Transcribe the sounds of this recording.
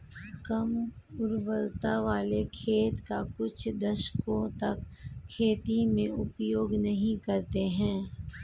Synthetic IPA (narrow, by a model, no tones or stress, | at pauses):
kɐmʊɾʋəlt̪aʋaːlekʰeːt̪kakʊt͡ʃʰd̪ɐʃkõt̪ɐkʰːeːt̪imẽʊpjoːɡnɐɦĩkɐɾt̪eɦɛ̃ː